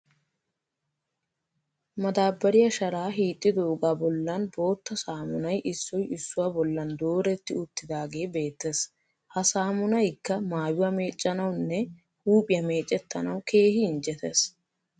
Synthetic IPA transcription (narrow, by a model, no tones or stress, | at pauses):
mɐd̪aːbːɐɾɪjɐʃɐɾaːɦiːt̪ʼːɪd̪oːɡaːbɔlːɐnbo̞ːt̪ːɐsaːmʊnɐjʔɪsːɔjɪsːʊwaːbɔlːɐnd̪o̞ːɾɛt̪ːɪʊt̪ːɪd̪aːɡe̞ːbe̞ːt̪ːes | hɐsaːmʊnɐjkːɐmaːjʊwame̞ːt͡ʃʼːɐnɐwnːɛ | huːpʼɪjɐme̞ːt͡ʃʼːɛt̪ːɐnɐwkʰe̞ːhɪɪnd͡ʒɛt̪ɛs